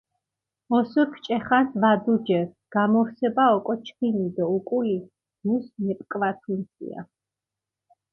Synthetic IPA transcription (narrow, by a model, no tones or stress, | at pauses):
ɔsuɾkʰt͡ʃʼɛχansvad̪ud͡ʒɛɾ | ɡ̥amɔɾsɛbaɔkʼɔt͡ʃʰkʰinid̪ɔukʼuli | d̪usmɛpʼkʼvat̪ʰinsḭa̰